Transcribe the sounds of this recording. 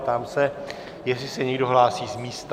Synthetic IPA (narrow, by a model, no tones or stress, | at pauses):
t̪amsɛ | jɛsɪsɛɲɛɡdo̞ɦlaːsiːzmiːst̪